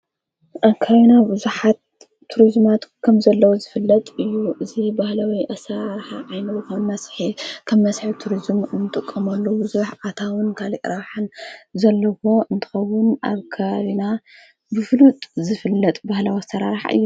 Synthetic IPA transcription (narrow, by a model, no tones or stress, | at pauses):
ʔɐkʰainabɨzuħat̪ʰː | uɾizmat̪kʰɐmzɐlːɐwozɨfɨlːɐt̪ʼɨjːuʔɨzibahlawiʔɐsaɾaɾħaʕajnɐwkʰɐmɐsħikʰɐmːɐsħit̪ʰuɾizmɨnːɨt̪ʼɨkʼːɐmɐlːubɨzuħat̪ʰawɨnkʰaliʔɾaħɨnzɐlːɐwo̞ɨnt̪ʰɨ̥xɐwːʊnʔa̰βkʰɐβaβina | bɨflut̪ʼzɨfɨlːɐt̪ʼbahlawasɐɾaɾħa̰ɨ̰jːu